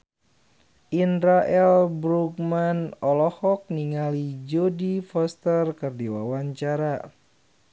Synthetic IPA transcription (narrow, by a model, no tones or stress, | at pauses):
ʔindɾaʔɛlbɾuk̚manɔlɔhɔk̚niŋalid͡ʒodifɔst̪ərkɨrdiwawaɲt͡ʃaɾa